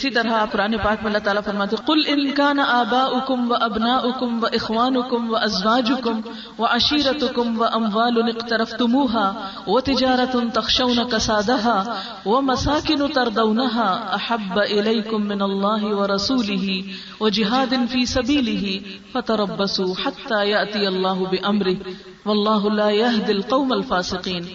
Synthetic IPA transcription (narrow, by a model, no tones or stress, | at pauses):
ɪsiːt̪ɐɾaqʊɾaːnepaːk̚mẽɐlːaːt̪aːlaːfɐɾmaːt̪eqʊlʔɪnkaːnaʔaːbaːʔʊkʊmwaʔɐbnaːʔʊkʊmwɐʔɪxwaːnʊkʊmwɐʔɐzwaːd͡ʒʊkʊm | wɐʕaʃiːɾɐt̪ʊkʊmwɐʔɐmwaːlʊnɪqt̪ɐɾɐft̪ʊmuːɦaː | wɐt̪ɪd͡ʒaːɾˤɐt̪t̪ɐxʃawnaqɑsaːd̪aɦaː | wɐmɐsaːkɪnʊt̪ɐɾˤd̪awnaɦaːʔaħabːaʔɪlajkʊmːɪnɐlˤːɑːɦɪwɐɾˤɑsuːlɪɦi | wɐd͡ʒɪɦaːd̪ɪnfiːsɐbiːlɪɦɪfɐt̪ɐɾˤɑbːɐsuːħat̪ːaːjaʔt̪ɪjɐlˤːɑːɦʊbɪʔɐmɾɪ | wɐlˤːɑːɦʊlaːjaɦd̪ɪlqɑwmalfaːsɪqiːn